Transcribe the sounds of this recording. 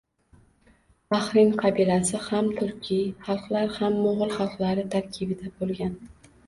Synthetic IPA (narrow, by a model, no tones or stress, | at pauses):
aχɾɪŋqʰɑbilasɪhamt̪ʰʊɾkʲʰiχɑlˠqlˠaɾhamːʊʁɨlˠχɑlˠqlˠaɾɪt̪ʰaɾkʲʰɪbɪd̪abolˠɡʲan